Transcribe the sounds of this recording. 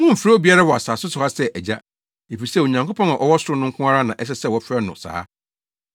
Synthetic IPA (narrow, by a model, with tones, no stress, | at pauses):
ŋʊ̃˦m̩˨fɾa˦bi˨˦a˦ɾa˦wɔ˨a˨saː˨sʊ˦sʊ˨ha˦sɛ˦ʔæ˨d͡ʑa˦ | e˨fi˨sɛ˦˨wo˨ɲã˨ŋko˦pʰɔ̃˦nã˨ʔɔ˨˦wɔ˦sʊ˦ʊ˦nʊ̃˦ŋkʰʊ̃˦a˦ɾa˦nã˨ʔɛ˦s̬ɛ˦sɛ˦wɔ˨˦fɛ˦nʊ̰̃˨sa̰ː˦